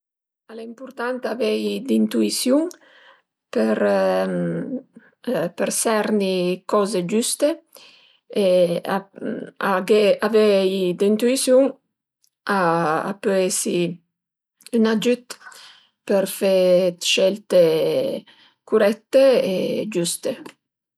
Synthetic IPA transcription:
alaimpuɾt̪ant̪avɛjd̪int̪uisjuŋ | peɾ | pəɾsɛɾnikɔzed͡ʒyst̪e | eaaɡeavɛjd̪eint̪uisjuŋ | aa̰pøesi | ynad͡ʒyt̪ | peɾfɛt̪ʃɛlt̪e | kuɾɛt̪ːeed͡ʒyst̪e

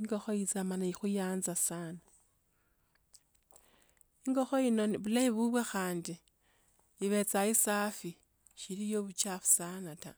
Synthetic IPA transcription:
iŋɡo̞xoit͡samanaixujaːnzasana | iŋɡo̞xoinoβulaiβuβwexaːndi | iβe̞t͡saisafi | ʃilijoβut͡ʃafu̥sanata̰

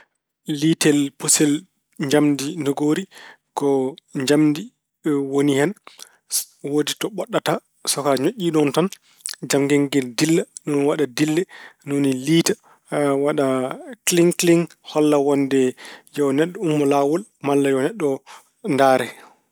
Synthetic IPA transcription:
litɛlpusɛl | ɲd͡ʒamdinoɡoɾi | kɔɲd͡ʒamdi | wonihɛn | woditɔɓɔɗːata | sɔkaɲoʔʲːiɗɔntan | d͡ʒamɡɛŋɡɛldilːanɔnwaɗadilːɛnoniliːta | waɗakliŋkliŋ | hɔlːawɔndɛjɔnɛɗːɔumːɔlawɔlmalːajɔnɛɗːɔ | ndaːɾɛ

